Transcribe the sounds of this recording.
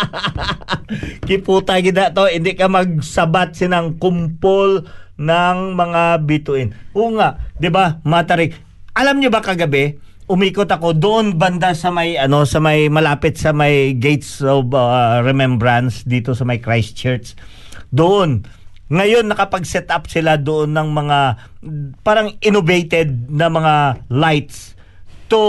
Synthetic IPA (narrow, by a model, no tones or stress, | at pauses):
kɪpuːt̪aɡɪd̪ɐʔt̪o̞ʔɪnd̪ɪkɐmɐɡ̚sɐbat̪̚sɪnɐŋkʊmpolnɐŋmɐŋabit̪ʊʔɪnʔoːŋaʔd̪ɪbamɐt̪ɐɾɪɡ | ʔɐlamɲobɐkɐɡɐbɛ | ʔʊmiːkot̪ɐko̞d̪ʊʔonbɐnd̪asɐmɐjʔɐno̞sɐmɐjmɐlaːpɪt̪̚sɐmɐjɡejt̪sobɐɹɛmɛmbɾɐnsd̪iːt̪o̞sɐmɐjkɹajst͡ʃɛɹt̪s | d̪oʔo̞n | ŋɐjo̞nːɐkɐpɐɡ̚sɛt̪ʔapsɪlad̪oʔonːɐŋmɐŋa | paːɾɐŋʔɪnovejt̪ɛd̪̚nɐmɐŋalajt̪̚s | t̪ʊ